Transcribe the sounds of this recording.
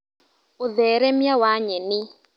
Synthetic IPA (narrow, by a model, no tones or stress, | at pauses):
ʊðɛɾɛmjawaɲɛnɪ